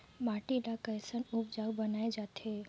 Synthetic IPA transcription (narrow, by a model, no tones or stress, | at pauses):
maʈilakəjsənupd͡ʒawbənaed͡ʒat̪ʰe